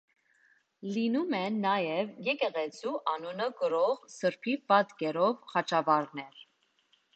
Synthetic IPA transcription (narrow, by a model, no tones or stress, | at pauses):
linumɛnːɑjɛvjɛkɛʁɛt͡sʰuʔɑnunəkəɾɔʁsəɾpʰipɑt̪kɛɾɔvχɑt͡ʃʰɑvɑɾnɛɾ